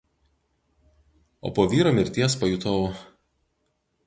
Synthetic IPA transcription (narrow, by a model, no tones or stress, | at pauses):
o̰ːpoːʋʲiːɾoːmʲɪɾʲt̪ʲiɛspɐjut̪ʰɔʊ